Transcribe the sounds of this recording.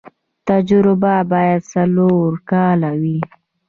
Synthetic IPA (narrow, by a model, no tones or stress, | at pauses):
t̪ad͡ʒɾʊbabɑjad̪saloɾkɑlawi